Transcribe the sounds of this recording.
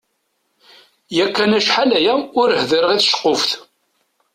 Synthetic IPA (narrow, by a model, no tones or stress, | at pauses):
jækːænæʃħalæjæʊɾhðəɾəʁiθʃə̥qːofθ